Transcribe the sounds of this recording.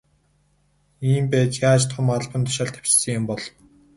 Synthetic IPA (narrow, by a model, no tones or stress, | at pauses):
iːmpæːt͡ɕjaːt͡ɕt̪ʰʊmaɮpə̆nt̪ʰʊ̥ʃaːɮt̪ʰæ̥w̥t͡ɕsə̆ŋjʊmpɔɮɞw